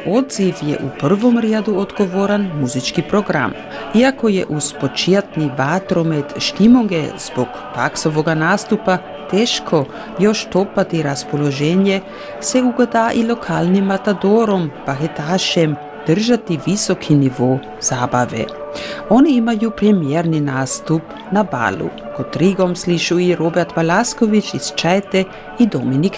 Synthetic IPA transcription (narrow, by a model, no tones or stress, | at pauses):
od̪zifjḛʔupr̩ʋomɾjed̪uod̪ɡo̞ʋoɾanmuzit͡ʃkipɾoɡɾa̰m | iakojeʔuspot͡ʃiat̪niʋat̪ɾomet̪ʃt̪imoŋɡezbok | p̪aksoʋoɡanaːst̪upa | t̪eːʃkʰo̞ | jo̞ʃt̪opat̪iɾaspoloʒeɲe | sɛuɡod̪aːʔilokʰaːlnimːat̪ad̪oːɾompaxet̪aːʃɛm | d̪̥ər̩ʒat̪iʋisokʰiniʋoː | z̥aːbaʋḛ | oniimajupɾɛmjɛɾninaːst̪up | naba̰lṵkot̪ɾiɡomsliʃuiɾobɛɾt̪ʋalaskoʋit͡ʃist͡ʃɛjt̪ɛ | id̪ominik